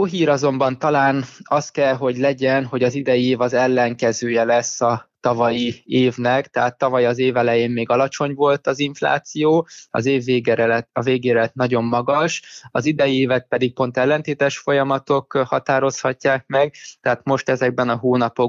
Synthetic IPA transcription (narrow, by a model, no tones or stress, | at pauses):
oːɦiːɾɒzo̞mbɒnt̪ɒlaːnɒst̪̚kɛlɦo̞ɟlɛɟɛnɦo̞ɟɒzid̪ɛjieːvɒzɛlːɛŋkɛzøːjɛlɛsːɒt̪ɒvɒjieːvnɛkt̪ɛɦaːt̪ːɒvɒjiɒzeːvɛlɛjeːmmeːɡɒlɒt͡ʃo̞ɲvo̞lt̪ɒziɱfla̰ːt̪sijoːɒ̰zeːvːeːɡɛɒveːɡeːɾɛt̪nɒɟo̞mːɒɡɒʃɒzid̪ɛjieːvɛt̪̚pɛd̪ik̚po̞nt̪ɛlːɛnt̪eːt̪ɛʃfo̞jɒmɒt̪o̞khɒt̪aːɾo̞shɒcːaːk̚mɛɡt̪ɛɦaːt̪mo̞ʃt̪ɛzɛɡ̚bɛnɒɦoːnɒpo̞